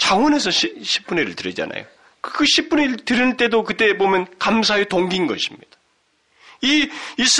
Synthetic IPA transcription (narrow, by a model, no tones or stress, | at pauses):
t͡ɕaŋwʌne̞sʰʌɕɕʰi̥p͈uɲiɾɯɭtɯɾid͡ʑa̰na̰jo̰ | kɯkɯɕʰip͈uɲiɾɭtɯɾint͈e̞dokɯt͈e̞bomjʌnkamsʰaetoŋɡinɡʌ̰ɕʰimɲid̥ḁ | iis͈